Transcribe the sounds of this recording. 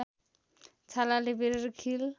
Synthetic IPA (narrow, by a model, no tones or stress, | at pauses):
t͡sʰalalebeɾɾkʰil